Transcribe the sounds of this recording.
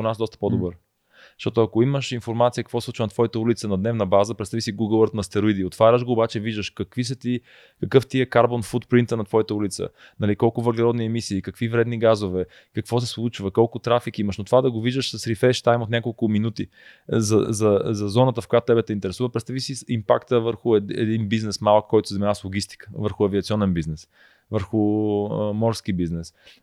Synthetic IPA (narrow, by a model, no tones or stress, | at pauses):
onasd̪ɔst̪ə̥pod̪obɤɾ | ʃt̪ɔt̪ʊɐkoiməʃinfoɾmat̪sijəkɐkvɔslˠut͡ʃvənt̪vɔjət̪əulit̪sənɐd̪nɛvnəbazəpɾɛt̪savisiɡuɡəlˠət̪nɐst̪ɛɾoid̪iot̪ːvaɾʲəʃɡoːbat͡ʃɛviʒd̪əʃkɐkvis̬ɐt̪i | kɐkɤft̪iɛkaɾbonfut̪pɾint̪ənɐt̪vɔjət̪əulit̪sə̰ | nɐlikɔlˠkʊvəɾɡlʲɛɾɔd̪niɛmisiːkɐkvivɾɛd̪niɡazovɛ | kɐkvɔs̬ɛslˠut͡ʃvɐkɔlˠkʊt̪ɾafikiməʃnot̪ovad̪ɐɡoviʒd̪əʃsɐsɾifɛʃt̪ajmot̪nʲakolˠkʊminut̪i | zɐzɐzɐzɔnət̪əfkojat̪ʊt̪ɛbɛt̪ɛint̪ɛɾɛsuvəpɾɛt̪st̪avisiimpakt̪əvəɾxʊɛ̰d̪inbiznɛsmalˠəkːɔjt̪ʊ̥szɛmɛnaslˠoɡ̟ist̪i̥kə̥vəɾxʊɐviɐt̪siɔnɛnbiznɛs | vəɾxʊ | mɔɾsk̟ibiznɛs